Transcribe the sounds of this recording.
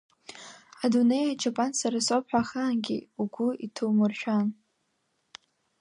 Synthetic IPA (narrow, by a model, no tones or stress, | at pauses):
adune̞jat͡ʃʰapʼansaɾasopħʷᶣaχaːnɡʲḭuɡʷʊitʰumɨrʃᶣan